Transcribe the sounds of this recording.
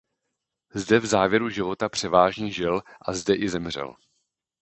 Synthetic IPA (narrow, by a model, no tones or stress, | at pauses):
zdɛvzaːvjɛɾuʒɪvo̞t̪apr̥ɛvaːʒɲiʒɪlʔazdɛʔɪzɛmr̝ɛ̰l